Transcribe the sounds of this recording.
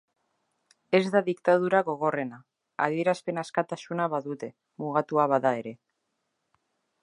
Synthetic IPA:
e̞zðaðikt̪aðuɾaɣo̞ɣ̞o̞re̞na | a̰ðie̞ɾaspe̞naskat̪asunaβaðut̪e̞ | muɣat̪uaβ̞aðae̞ɾe̞

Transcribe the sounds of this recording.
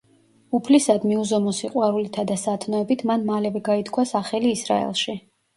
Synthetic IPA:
upʰlisad̪miuzɔmɔsiqʼwaɾulit̪ʰad̪asat̪ʰnɔɛbit̪ʰmanmalɛvɛɡait̪ʰkʰwasaχɛliːsɾa̰ɛ̰lˠʃi

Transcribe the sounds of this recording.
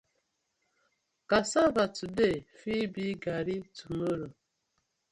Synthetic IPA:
kasavatudefibiɡaɾituməɾo

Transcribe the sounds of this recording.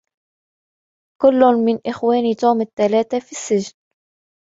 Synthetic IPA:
kʊlːʊnmɪnʔɪxwaːnit̪uːmɪt̪ːalaːt̪afisːɪʒn

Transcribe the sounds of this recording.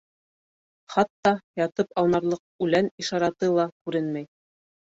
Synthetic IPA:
χɑt̪ːɑjɑt̪ɤpɑw̪ˠnɑɾlˠɤq̚ʉlæniʃɑɾɑt̪ɤlˠɑkʉɾɘnmæj

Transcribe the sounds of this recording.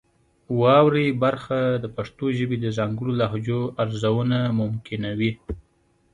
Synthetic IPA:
wɑwɾebaɾxad̪əpaʂt̪oʒəbed̪əzaŋɡəɽolaɦd͡ʒoaɾzawənamʊmkʰɪnawi

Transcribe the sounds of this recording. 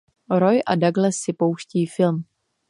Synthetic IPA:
ɾo̞jʔadaɡlɛsːɪpo̞wʃciːfɪlm

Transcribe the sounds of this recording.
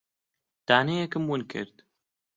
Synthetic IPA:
d̪̥aːnejɛkɨmwunkʰɨ̰ɾd̪

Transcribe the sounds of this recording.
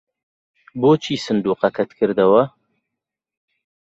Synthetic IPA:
boːt͡ʃʰiːsɨnd̪uːqɐkʰɐt̪kʰɨɾd̪ɐwɐ

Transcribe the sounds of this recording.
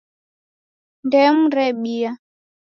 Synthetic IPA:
ndɛm̩ɾɛɓia

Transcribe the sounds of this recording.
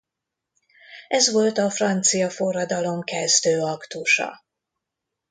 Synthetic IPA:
ʔɛzʋo̞lt̪ɒfrɒnt̪sijɒfo̞rːɒd̪ɒlo̞mkɛzd̪øːɒkt̪uʃɒ̰

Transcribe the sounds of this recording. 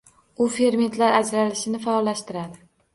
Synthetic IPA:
ʊfe̞ɾme̞nt̪ʰlaɾad͡ʒɾalɪʃɪnɪfaɒlːaʃt̪ɪɾad̪ɪ

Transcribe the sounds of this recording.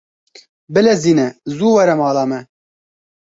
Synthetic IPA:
bɨlɛziːnɛzuːwɛɾɛmɑːlɑːmɛ

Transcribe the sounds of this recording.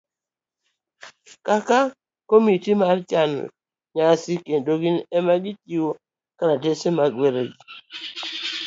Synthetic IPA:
kaka | komitimart͡ʃan̰ | ɲasikendoɡinɛmaɡitiwo | kaɾatesemaɡweɾed͡ʒi

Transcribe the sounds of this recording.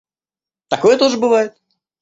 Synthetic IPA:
t̪ɐko̞jət̪oʐɨbɨvajɪt̪̚

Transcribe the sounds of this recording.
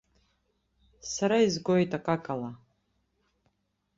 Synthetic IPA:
saɾaizɡojtʼakʼakʼala

